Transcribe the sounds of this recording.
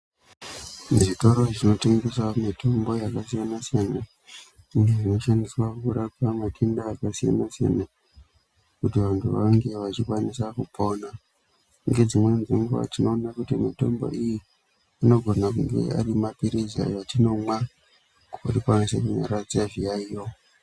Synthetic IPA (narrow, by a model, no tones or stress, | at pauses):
ʐito̞ɾo̞ʐino̞teŋɡe̞swamitʰo̞mbo̞jakasijanasijana | uŋɡeʐino̞ʃandiswakuɾapamatʰendaːkasija̰nasija̰na | kutiʋantʰuʋaŋɡe̞ʋat͡ʃikwanisakupʰona | uŋɡe̞d͡zimwe̞nzeŋɡuʋa̰tino̞ːnakutimito̞̰mbo̞̰iji | ino̞ɡʱo̞nak̬uŋɡe̞̰a̰rimapiɾiza̰jatino̞mwa | kuorikanisekuɲa̰ɾad͡zaʐijaijo